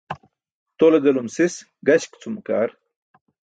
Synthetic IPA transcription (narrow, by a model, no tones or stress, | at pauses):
t̪oled̪ɐlumsis | ɡɐɕkt͡sʰumka̰ːɾ